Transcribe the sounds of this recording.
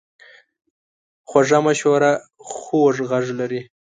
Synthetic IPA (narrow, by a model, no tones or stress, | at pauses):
xwaʐamaʃoɾa | xoʐɣaʐlaɾi